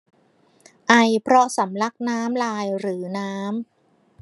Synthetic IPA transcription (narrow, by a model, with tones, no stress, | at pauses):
ʔa˧jpʰɾɔ˦˥sa˩˦mla˦˥k̚naː˦˥mlaː˧jɾɯː˩˦naː˦˥m